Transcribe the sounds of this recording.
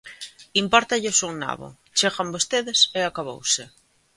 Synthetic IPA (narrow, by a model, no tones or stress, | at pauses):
impɔɾt̪aʎɪsuŋna̰βʊ̰ | t͡ʃeɣambost̪eðɪseakaβo̰wsɪ